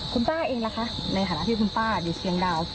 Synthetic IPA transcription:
kʰu˧nt̪aː˥˩ʔeː˧ŋla˧˦˥kʰa˦˥ʔna˧jt̪ʰaː˨˧˦a̰˦˧˥t̪ʰiː˥˩kʰu˧np̪aː˥˩ju˨˩sʰi˧əŋdaː˧w

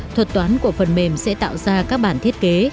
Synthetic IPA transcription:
t̪ʰwə˨˩t̚t̪waː˨˦nku˧˩əfə˨˩nme˨˩msɛ̰˧˥t̪a̰ː˧˨wzaː˧kaː˦˥k̚ɓaː˧˩nt̪ʰi˦˥ət̚ke˨˦

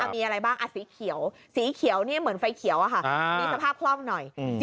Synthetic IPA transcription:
ʔa˨˩miː˧ʔa˧ɾa˧jbaː˥˩ŋʔa˨˧˩siː˩˦kʰi˨˩˦əw | siː˩˦kʰi˨˩˦ə˦wni˥˩mɯ˩˦nfa˧jkʰi˨˩˦əwʔa˨˧˩kʰa˥˩miː˧sa˧pʰaː˥˩p̚kʰlɔː˥˩ŋnɔ˨˩js

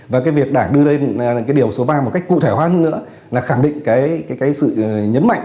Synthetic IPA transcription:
vaː˨˩kaː˨˦jvək̚ɗaː˧˩ŋɗɨ˧əle˧n˨˩kaː˨˦ɗi˨˩əwso˨˦ɓaː˧m˨˩t̚ka˦˥j̚kṵ˧˨t̪ʰe˧˩hwaː˧˦nə˧˥nɨ̰˧˥ə | laː˨˩xaː˧˩ŋɗḭ̈˧˨ŋ̟kaː˨˦jkaː˨˦jkaː˨˦jsɨ̰˧˨˩ɲə˨˦nma̰˧˨ŋʔ

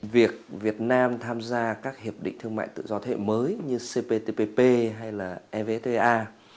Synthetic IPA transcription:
vi˨˩ək̚vi˨˩ət̚naː˧mt̪ʰaː˧mzaː˧kaː˦˥k̚hi˨˩əp̚ɗḭ̈˧˨ŋ̟t̪ʰɨ˧əŋma̰ː˧˨jt̪ɨ̰˧˨zɔ˧t̪ʰḛ˧˨məː˨˦jɲɨ˧se˧pe˧t̪e˧pe˧pe˧ɦa˧jlaː˨˩ʔɛ˧ve˧t̪e˧ʔaː˧

